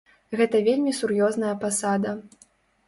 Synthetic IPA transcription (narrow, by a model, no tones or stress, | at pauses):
ɣɛt̪ɐvʲelʲmʲisurjɔznɐjɐpasad̪ɐ